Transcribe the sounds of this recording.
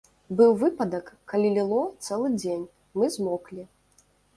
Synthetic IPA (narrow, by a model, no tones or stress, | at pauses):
bɨwvɨpɐd̪ɐkːɐlʲilʲilˠɔt̪sɛlˠɨd͡zʲenʲ | mɨzmɔklʲi